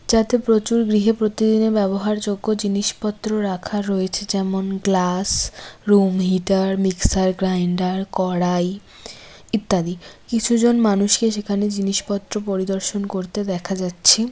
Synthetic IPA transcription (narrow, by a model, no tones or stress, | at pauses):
d͡ʑat̪epɾot͡ɕuɾɡɾiɦepɾot̪id̪inebɛboɦaɾd͡ʑoɡːod͡ʑiniʃpɔt̪ːɾoɾakʰaɾoet͡ɕʰed͡ʑɛmonɡlasɾumɦiʈaɾmiksaɾɡɾajɳɖaɾkɔɽaj | it̪ːad̪ikit͡ɕʰud͡ʑonmanuʃkeʃ̬ekʰaned͡ʑiniʃpɔt̪ːɾopoɾid̪oɾʃonkoɾt̪ed̪ɛkʰad͡ʑatːɕʰe